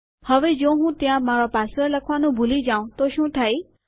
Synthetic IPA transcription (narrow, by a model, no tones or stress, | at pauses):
həʋed͡ʒoɦũt̪jãmaɾɔpasəɾləkʰʋanũbʱulid͡ʒaũt̪oʃũt̪ʰaj